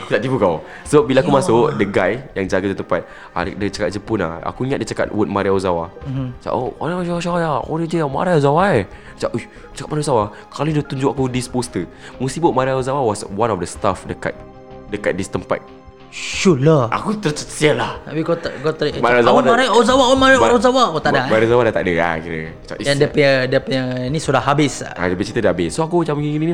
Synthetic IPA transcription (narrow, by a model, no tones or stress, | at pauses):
akutaʔt̪ipukaw | səbabilaakumãsʊkdəɡajjaŋd͡ʒaɡad͡ʒut̪əmpat̪̚ | a̰ədət͡ʃakat̚d͡ʒəpuna̰a̰kuiŋat̪̚dit͡ʃaka̰t̪̚wut̚maɾiaozawat͡ʃa̰ʔoɔ̰nad͡ʒawaʃawajao̰nəd͡ʒəama̰ɾiozawae | t͡ʃaʔo | t͡ʃakat̚maɾiozawa | kaludət̪uɲd͡ʒʊʔakudispost̪ə | must̪iboʔ̚maɾiaozawawɔswãnɔfdəst̪afdəka̰t̪̚ | dəka̰t̪̚dist̪əmpa̰t̪̚ | ʃulaa̰kut̪əɾt͡ʃət̪sialahabikɔt̪ɡɔt̪maɾaazawamaɾajozawaunmaɾaozawaot̪aʔdamaɾazawadat̪a̰ʔdəa̰kiɾə̰at͡ʃa̰ʔidandiəpəədiəpəɲənisudahɦabɪsa̰dəbit͡ʃit̪ədaabɪsːoakut͡ʃamɡiŋinini